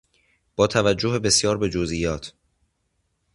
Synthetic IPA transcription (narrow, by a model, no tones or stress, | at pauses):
b̥ɒːt̪ʰævæd͡ʒːoɦebe̞sjɒːɾbe̞d͡ʒozijɒːt̪ʰ